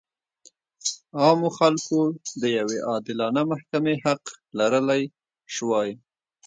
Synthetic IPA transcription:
ɑmoxalkod̪əjaweʔɑd̪ɪlɑnamahkameɦaqlaɾəlaj | ʃwɑj

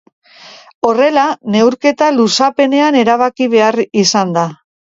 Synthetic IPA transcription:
o̞re̞lane̞wɾke̞t̪alusape̞ne̞ane̞ɾaβ̞akiβ̞e̞arisand̪a

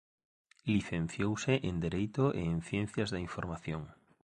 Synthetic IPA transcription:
liθẽn̟θjowsɪʔend̪eɾejt̪oʔḛːnθjẽn̟θjazðaiɱfoɾmaθjoŋ

